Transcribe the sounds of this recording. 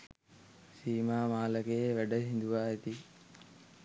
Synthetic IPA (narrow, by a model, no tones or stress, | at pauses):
siːmaːmaːlɐkeːʋɛɖɐɦind̪uʋaːet̪i